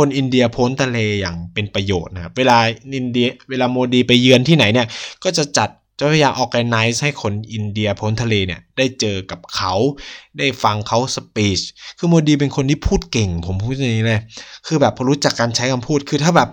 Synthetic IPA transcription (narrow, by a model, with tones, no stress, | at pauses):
kʰo˧nʔi˧ndi˧ɐpʰoː˦˥nt̪ʰa˧leː˧jaː˨˩ŋpe˧npɾa˧joː˨˩t̪̚na˦kʰa˦˥p̚weː˧laː˧ʔi˧ndi˧weː˧laː˧moː˧diː˧pa˧jːɯ˧ənt̪ʰiː˥˩na˩˦jni˥˩ɐkɔː˥˩t͡ɕa˨˩t͡ɕa˨˩t̪̚t͡ɕa˨˩a˧jaː˧ʔɔː˨˧˩k̚ʔa˧na˦˥jsha˥˩jkʰo˧nʔi˧ndi˧ɐpʰoː˦˥nt̪ʰa˧leː˧ni˥˩ɐdaː˥˩jt͡ɕɤː˧ka˨˩p̚kʰa˦˥wdaː˥˩jfa˧ŋkʰa˦˥wsa˧piː˨˦˥t͡ɕkʰɯː˧moː˧diː˧p̬e˧nkʰo˧nt̪ʰiː˥˩pʰuː˥˩t̪̚ke˨˩ŋpʰo˨˩˦mpʰuː˥˩t̪̚ːa˧˩niː˦˥lɤː˧˩jkʰɯː˧bɛː˨˩pʰɔ˧ɾu˦˥t͡ɕa˨˩kːaː˧nt͡ɕʰa˦˥jkʰa˧mpʰuː˥˩t̪̚kʰɯː˧t̪ʰaː˥˩bɛː˨˩p̚